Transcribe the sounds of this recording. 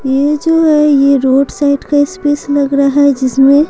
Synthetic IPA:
jed͡ʒoːɦɛjeɾoːɖsaːɪʈkaɪspeːslɐɡɾaɦɛd͡ʒɪsmẽ

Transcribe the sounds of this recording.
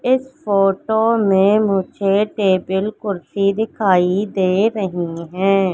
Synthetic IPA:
ɪspʰoːʈoːmẽmʊd͡ʒʱeʈeːbəlkʊɾsid̪ɪkʰaːid̪eːɾəɦiɦɛ̃ː

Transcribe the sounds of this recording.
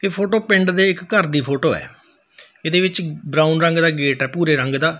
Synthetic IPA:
eːpʰoːʈoːpɪ̃ɳɖd̪eːɪkːəɾd̪iːpʰoːʈoːɛ̰ː | eːd̪eːʋɪt͡ʃbɾãːʊnɾəŋɡd̪aːɡeːʈɛːpuːɾeːɾəŋɡd̪aː

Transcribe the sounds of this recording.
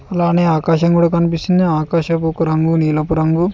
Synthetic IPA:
ɐlaːneːaːkaːʃɐŋkuːɽaːkɐnipist̪und̪iaːkaːʃɐp̬ukuɾɐŋɡuniːlɐpuɾɐŋɡu

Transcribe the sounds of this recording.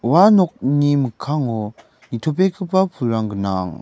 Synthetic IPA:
wanɔk̚niməkʰaŋɔ | nitʰopekʰɯpapʰuɾaŋɡəna̰ŋ

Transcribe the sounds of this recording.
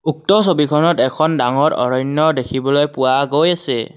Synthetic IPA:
uk̚tɔsobikʰɔnɔtɛkʰɔndaŋɔɹɔ̰ɹɔjnɔdekʰibɔlojpʊwaɡojasɛ

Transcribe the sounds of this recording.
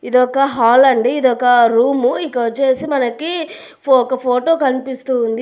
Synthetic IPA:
id̪ɔkɐɦaːlɐɳɖiid̪ɔkɐɾuːmuikːɐt͡ʃeːsimɐnɐki | ɔkɐpʰoːʈoːkɐnipist̪uːnd̪i

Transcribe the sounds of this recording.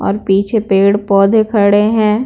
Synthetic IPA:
ɔ̰ːɾpiːt͡ʃʰepeːɽpɔːd̪ʱekʰəɽeɦɛ̃ː

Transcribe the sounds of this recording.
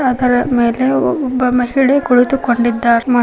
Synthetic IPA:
ɐd̪ɐɾɐme̞ːleɔɔbːɐmɐɦiɭekuɭit̪ukoɳɖid̪ːaːɾma

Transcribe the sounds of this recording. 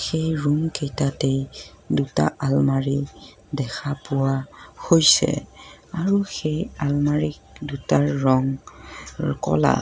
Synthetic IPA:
xejɹumkejtatej | duta̰ʔalmaɹi | dɛxʰapʊwahojsɛ̰aɹuxejalmaɹik̚dutaɹːɔŋ | kɔ̰la̰

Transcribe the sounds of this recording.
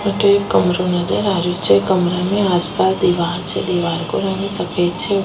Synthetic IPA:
məʈekəmɾunəd͡ʒəɾaʋjut͡ʃʰekəmɾameaspasd̪iʋaɾt͡ʃʰḛd̪iʋaɾko̰ɾanisəket͡ʃʰe

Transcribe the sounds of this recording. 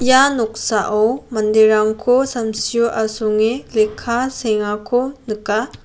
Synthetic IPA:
janok̚saʔɔmɐndiɾaŋkʰosɐmsijoʔasoŋelekʰːaseŋakʰonɯka

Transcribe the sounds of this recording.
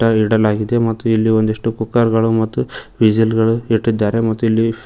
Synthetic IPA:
ʈːɐiɽɐlaːɡid̪e̞mɐt̪ːuilːio̞nd̪iʂʈukukːɐɾɡɐɭumɐt̪ːuʋid͡ʒilɡɐɭuiʈːid̪ːaːɾe̞mɐt̪ːuilːi

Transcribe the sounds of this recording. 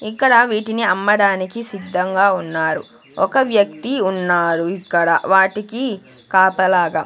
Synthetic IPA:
ikːɐɽɐʋiːʈiniɐmːɐɽaːnikisid̪ʱːɐŋɡaːunːaːɾṵ | ɔkɐʋjɐk̚t̪iunːaːɾuikːɐɽɐ̰ʋaːʈiki | kaːpɐlaːɡɐ

